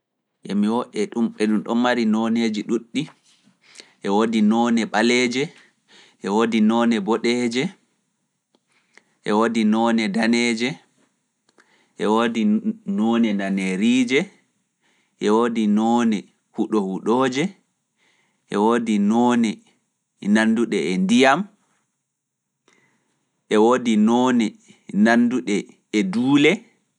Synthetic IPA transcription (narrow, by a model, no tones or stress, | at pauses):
ʔɛmiwɔɗɛɗumɓɛɗumɗɔnmaɾinɔneːd͡ʒiɗuɗːi | ʔɛwodinɔnɛɓalɛd͡ʒɛ | ʔɛwoːdinɔːnɛbɔɗɛd͡ʒɛ | ʔɛwodinɔnɛdanɛːd͡ʒɛ | ʔɛwodinɔːnɛnaneɾiːd͡ʒɛ | ʔɛwodinɔːnɛ | huɗɔhuɗoːd͡ʒɛ | ʔɛwoːdinɔnɛ | nanːduɗɛɛndijam | ʔɛwoːdinɔnɛ | nanduɗɛː | duːlɛ